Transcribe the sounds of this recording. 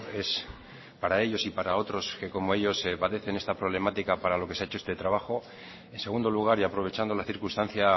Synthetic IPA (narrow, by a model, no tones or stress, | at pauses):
e̞s | paɾae̞ʎo̞sipaɾao̞t̪ɾo̞ske̞ko̞mo̞e̞ʎo̞sːepaðe̞θe̞nest̪apɾo̞β̞le̞mat̪ikapaɾalo̞ke̞seaet͡ʃoest̪e̞t̪ɾaβaχo̞ | e̞nse̞ɣund̪o̞luɣ̞aɾiapɾo̞β̞e̞t͡ʃand̪o̞laθiɾkust̪anθja